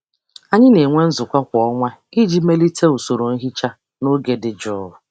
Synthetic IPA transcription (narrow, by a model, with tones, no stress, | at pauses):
a˨ɲɪ˦ne˨ŋʷe˦n̩˦zʊ˨kʷa˦kʷɔ˦ŋʷa˦i˦d͡ʒi˦me˦li˦tʰe˦u˨so˨ɾo˨n̩˦ɦi˦t͡ʃa˦ | no˦ɡe˦dɪ˨d͡ʒʊ˦ʊ˨